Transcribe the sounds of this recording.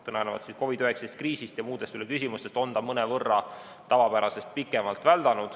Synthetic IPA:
t̪ɤnɑnevɑ̰t̪sisko̞vid̪yheksest̪̚kriːsist̪jɑmuːd̪̥e̞st̪ylekysʲimust̪est̪o̞nd̪ɑmɤnevɤrːɑ | t̪ɑvɑpæɾɑse̞st̪̚pikːˑemɑlt̪væld̪ɑnud̪̥

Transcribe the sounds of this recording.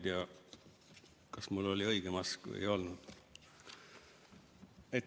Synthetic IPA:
d̪eɑ | kɑsmulːo̞liɤ̞iɡ̥emɑskvə̰jo̞lnud̪̥ | e

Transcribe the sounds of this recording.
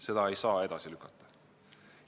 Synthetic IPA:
se̞d̪̥ɑe̞jsɑːe̞d̪̥ɑsilykːˑɑt̪ˑːɑ̥

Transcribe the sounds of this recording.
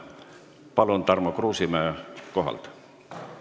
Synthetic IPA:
pɑlunt̪ɑrmokruːsimæːkoɦɑ̰lt̪

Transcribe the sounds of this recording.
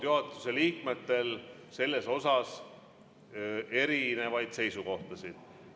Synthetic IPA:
juɦɑt̪ˑːu̥se̞liːkme̞t̪ːe̞lse̞lːe̞so̞sɑs | e̞ɾine̞vɑjd̪̥se̞jsuko̞ht̪ɑsid̪̥

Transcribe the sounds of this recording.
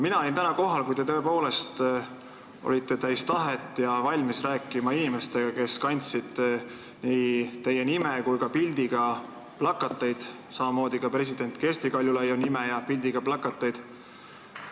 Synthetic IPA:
minɑo̞lint̪ænɑko̞ɦɑlkujd̪e̞t̪ø̞epo̞ːle̞st̪ | ʔo̰lʲit̪ːˑe̞t̪æjst̪ɑɦet̪ːˑjɑvɑlʲmisræːkːˑimɑinime̞st̪e̞ɡ̥ɑke̞skɑnʲt̪sid̪̥ | niːt̪e̞je̞nimekujkɑpilʲd̪iɡ̥ɑ | plɑkːˑɑt̪ːˑɑjd̪̥ | sɑmɑmo̞ːd̪̥ikɑpre̞s̬id̪̥e̞nʲt̪ˑkesʲt̪ikɑlʲjulɑjunimejɑpilʲd̪̥iɡ̥ɑplɑkːˑɑt̪ˑːɑjd̪̥

